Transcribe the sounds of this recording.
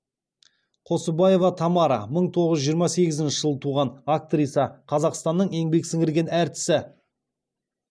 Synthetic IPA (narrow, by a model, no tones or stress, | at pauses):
qʰo̞səbɑje̞vɑt̪ʰɑmɑɾɑ̰məɴt̪ʰo̞ʁəzʒijəɾmɑse̞ɡʲɪzɪnʃɪ̥ʒəlˠət̪ʰuʁɑnak̚t̪rijsɑqʰɑzɑqst̪ɑnːəɴe̞ŋbe̞ksɪŋɪɾɡʲe̞næɾt̪ɪ̥sɪ